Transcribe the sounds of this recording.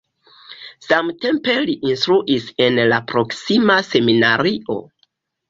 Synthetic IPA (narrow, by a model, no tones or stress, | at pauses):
samte̞mpe̞liʔinstɾuʔise̞nlapɾo̞ksimase̞minaɾiʔo̞̰